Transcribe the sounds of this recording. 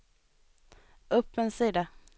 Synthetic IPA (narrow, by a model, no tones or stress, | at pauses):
ʔɵpːənsiːd̪a